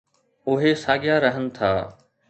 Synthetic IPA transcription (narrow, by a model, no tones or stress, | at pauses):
ʊɦesaːɠɪjaɾəɦənɪ̆t̪ʰaː